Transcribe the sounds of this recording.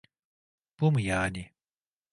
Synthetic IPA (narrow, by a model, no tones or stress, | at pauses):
pumjaːnʲi